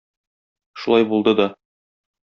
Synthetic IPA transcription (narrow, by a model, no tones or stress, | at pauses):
ʃulˠɑjbulˠd̪ɤd̪ɒ